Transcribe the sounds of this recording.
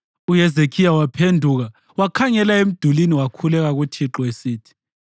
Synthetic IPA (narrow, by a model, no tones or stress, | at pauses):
ujɛzekʰijawapʰendʱuɣa | wakʰaŋɛlaem̩d̥ʱuliniwakʰulɛɣaɣutʰiǁɔesiːtʰi̥